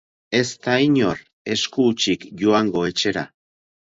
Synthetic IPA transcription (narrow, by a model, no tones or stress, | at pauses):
e̞st̪aiɲo̞ɾ | e̞skuːt͡ʃikʝoaŋɡo̞e̞t͡ʃe̞ɾa̰